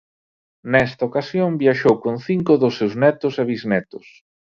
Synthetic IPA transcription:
nɛst̪aokasjombiaʃowkonθiŋkʊðʊsːewznɛt̪ʊseβiznɛt̪ʊs

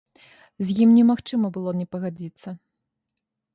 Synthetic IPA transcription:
zʲjimnʲɛmaxt͡ʂɨmɐbɨlˠɔnʲɛpɐɣad͡zʲit̪sːɐ

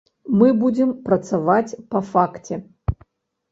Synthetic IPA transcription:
mɨbud͡zʲɪmpɾɐt̪savat͡sʲpɐfaktʲɛ

